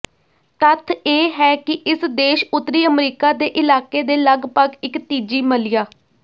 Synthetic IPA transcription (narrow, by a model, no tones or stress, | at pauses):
t̪ət̪ʰeːɦɛːkɪʔɪsd̪eːʃʊt̪ːɾiːəmɾiːkaːd̪eːʔɪlaːkeːd̪eːləɡpəɡɪkt̪iːd͡ʒiːməlɪjaː